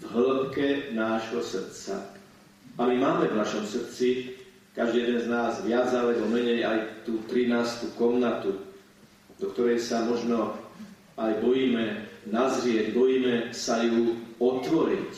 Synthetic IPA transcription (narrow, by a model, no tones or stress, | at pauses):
vɦl̩pkɛnaːʒɦɔsr̩t̪t͡sa̰ | amimaːmɛvnaʃɔmsr̩t͡si | kaʒd̪ijɛd̪ɛnznaːzʋɪad͡zalɛbɔmɛɲɛjajt̪uːt̪ɾinaːst̪ukɔmnat̪u | d̪ɔkt̪ɔɾɛjsamɔʒnɔ | ajbɔjiːmɛnazɾɪɛɟbɔjiːmɛsajuɔt̪ʋɔɾic